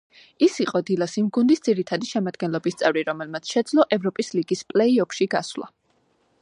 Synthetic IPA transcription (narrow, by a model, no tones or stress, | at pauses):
isiqʼɔd̪ilasimɡund̪isd̪z̥iɾit̪ʰad̪iʃɛmad̪ɡɛnlˠɔbist̪sʼɛvɾiɾɔmɛlmat̪sʰʃɛd̪zlˠɔʔɛvɾɔpʼisliɡispʼlɛiɔpʰʃiɡaswlˠa̰